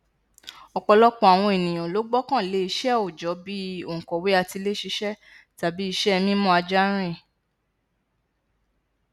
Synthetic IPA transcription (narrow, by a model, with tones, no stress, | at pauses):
ɔ˧k͡pɔ˧lɔ˦k͡pɔ̃˦a˨w̃ɔ̃˧e˨nĩ˨j̃ã˨lo˨˦ɡ͡bɔ˦kã˦˨le˨˦i˧ʃɛ˦o˨d͡ʒɔ˨˦bi˦o˦˨ŋ̩˨kɔ˨we˦a˧ti˧le˦ʃi˧ʃɛ˦ | ta˨bi˨˦i˧ʃɛ˦˧mĩ˦mɔ̃˦a˧d͡ʒa˦ɾ̃ɛ̃˦˨